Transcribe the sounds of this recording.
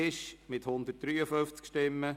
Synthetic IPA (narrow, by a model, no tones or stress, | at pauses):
ɪʃmɪt̪hʊnd̪ət̚d̥ɾyːəføft͡skʃtɪmːə